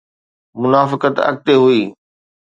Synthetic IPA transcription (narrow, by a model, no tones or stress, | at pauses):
mʊnaːfɪkət̪ɐ̰k̚t̪eɦuiː